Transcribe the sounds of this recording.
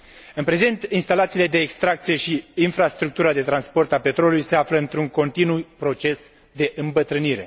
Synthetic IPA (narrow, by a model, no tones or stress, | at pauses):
ɨnpɾe̞ze̞nt̪inst̪alat̪siːle̞d̪e̞ːkst̪ɾak̚t̪sije̞ʃiinfɾast̪ɾuk̚t̪uɾad̪e̞t̪ɾanspo̞rt̪ape̞t̪ɾo̞lulujse̞afləɨnt̪ɾuŋko̞nt̪inupɾo̞t͡ʃe̞s | d̪e̞ʔɨmbət̪ɾɨniɾe̞̰